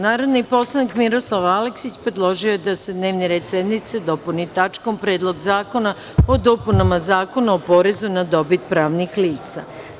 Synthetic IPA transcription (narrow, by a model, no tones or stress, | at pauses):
naːɾo̞d̪nipo̞slˠanikmiɾo̞slˠaʋaleksit͡ɕpɾed̪lˠo̞ʒiojed̪ase̞d̪ne̞ːʋniɾed̪sed̪nit̪sed̪o̞punit̪at͡ʃko̞mpɾeːd̪lˠo̞ɡzaːko̞na | od̪o̞punamazaːko̞naopo̞ɾe̞zunad̪o̞bit̪̚pɾaːʋnixliːt̪sa̰